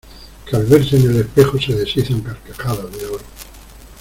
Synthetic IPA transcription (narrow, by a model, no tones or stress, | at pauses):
kalβeɾsenele̞spexoseðesiθempeɾkexaðaðeoɾ